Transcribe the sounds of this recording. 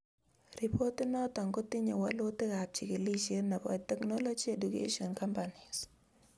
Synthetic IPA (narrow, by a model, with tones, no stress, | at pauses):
ɾi˨pʰo˦tːi˦nɔ˦tɔ˨ŋkɔ˦t̪ɪ˦ɲo˨wa˦lo˦tɪ˦ka˨p̚t͡ʃɪ˨kɪ˨li˦ʃi˦na˨bɔ̰˨tɛ˨knɔ˦lɔ˦d͡ʒi˦e˨du˨kḛʃɔ˨nka˦mpani˨s